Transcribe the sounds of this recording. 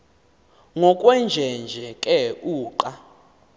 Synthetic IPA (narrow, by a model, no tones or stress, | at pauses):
ŋɔkʼwɛnd͡ʒʱɛnd͡ʒʱɛkʼɛuːǃa